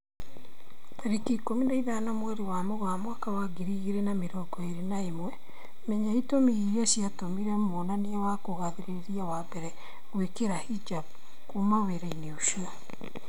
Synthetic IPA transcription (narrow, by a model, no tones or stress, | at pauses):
ɾikikominaiðanamwɛɾewamɔɣwamwakawaɡiɾiɣiɾɛnameɾɔɡɔeɾenaemwɛ | mɛɲaitomiɣiɾiasjatomiɾɛmonaneɛwakoɣaðeɾeɾiawabɛɾɛ | ɣwekeɾahid͡ʒab | kumaweɾaineuʃiɔ